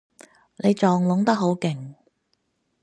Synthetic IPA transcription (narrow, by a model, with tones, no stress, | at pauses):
ne˨˧jt͡ʃɔː˨ŋlʊ˨˥ŋt̪ɐ˥k̚ɦo˨˥wkɪ˨ŋ